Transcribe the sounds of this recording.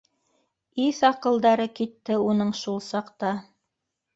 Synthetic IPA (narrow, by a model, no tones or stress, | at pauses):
iθɑqɤ̆lˠd̪ɑɾɤkit̪ːɘunɤɴʃulˠsɑqt̪ɑ